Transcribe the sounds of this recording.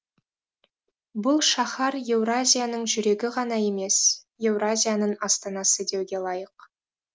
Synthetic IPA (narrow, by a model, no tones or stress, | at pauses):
bʊlˠʃɑχɑɾje̞wrazʲijanəɴʒʏɾe̞ɡʲɪʁɑn̪ɑje̞me̞sje̞vrazʲijanəɴɑst̪ɑnɑsəd̪e̞wɡʲe̞lˠɑjəq